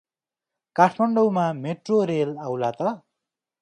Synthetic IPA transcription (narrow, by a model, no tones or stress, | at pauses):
kaʈʰmʌɳɖowmameʈroɾelawlat̪ʌ